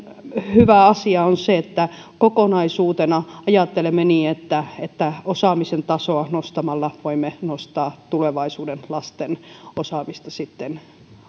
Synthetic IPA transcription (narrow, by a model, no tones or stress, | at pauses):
hyʋæɑsiɑonseet̪ːæ | kokonɑisuːt̪enɑɑjɑt̪ːelemːeniːet̪ːæet̪ːæosɑːmisent̪ɑsoɑnost̪ɑmɑlːɑʋoimːenost̪ɑːt̪uleʋɑisuːdenlɑst̪enosɑːmist̪ɑsit̪ːen